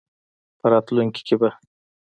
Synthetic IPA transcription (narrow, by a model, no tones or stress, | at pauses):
pʰaɾat̪ʰʊlɪŋkʲʰɪ̥kʲʰɪbɪ